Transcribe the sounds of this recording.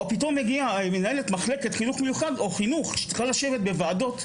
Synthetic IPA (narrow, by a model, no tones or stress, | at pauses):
opito̞mːeɡiamenaelet̪maχleketχinuχmejuχado̞χinuχʃe̥t͡si̥χalaʃe̞ve̞t̪̚bevaːdo̞t